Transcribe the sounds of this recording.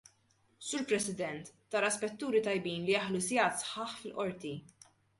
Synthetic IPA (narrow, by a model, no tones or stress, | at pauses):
suːɾpɾɛsɪd̪ɛnt̪ːɐːɾɐspɛt̪ːuːɾit̪ɐjbiːnlijɐħlusjɐːt̪sħɐːħfɪlʔɔɾt̪i